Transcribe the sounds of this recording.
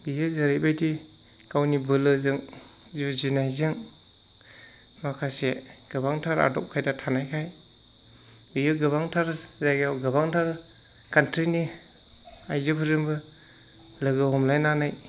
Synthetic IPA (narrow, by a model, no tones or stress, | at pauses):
bijɯzaɾibajdi | kawnibɯlɯzɯŋ | zuzinajzɯŋ | makʰaseɡ̥ɯbaŋtʰaɾa̰dɔp̚kʰajdatʰanajkʰaj | bijɯɡɯβaŋtʰaɾzaɡjawɡɯbaŋtʰaɾ | kantɾini | ajzɯpʰɯɾɯŋbɯ | lɯɡɯhɔmlajnanaj